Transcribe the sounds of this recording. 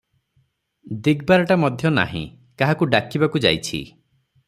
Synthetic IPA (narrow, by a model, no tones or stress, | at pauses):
d̪iɡbaɾɔʈamɔd̪ʱjɔna̰ɦḭ̃ | kaɦakuɖakibakud͡ʒa̰jt͡ʃʰḭ